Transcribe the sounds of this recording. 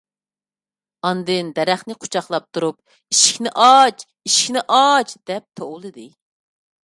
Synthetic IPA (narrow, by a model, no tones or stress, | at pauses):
ɑnd̪ɨnd̪ɛɾæχnɪqʰo̥t͡ʃʰɑχlˠɑp̚t̪ʰuɾup̚ | iʃi̥kʲnɪʔɑt͡ʃ | iʃi̥kʲnɪʔɑt͡ʃd̪̥ɛp̚t̪ʰoʁulˠɨd̪ɨ